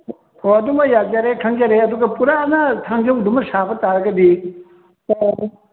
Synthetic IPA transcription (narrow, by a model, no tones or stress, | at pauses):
hoɐduŋmɐjad͡ʒaɾekʰɐŋd͡ʒaɾeɐduɡɐpuɾanɐtʰaŋd͡ʒɐwdumɐsabɐtaɾɐɡɐdi